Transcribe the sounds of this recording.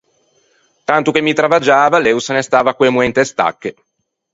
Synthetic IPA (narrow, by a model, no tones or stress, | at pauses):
t̪ant̪uk̟emːit̪ɾavad͡ʒaːvalɛusnest̪aːvakwemuɛnt̪est̪a̰kːe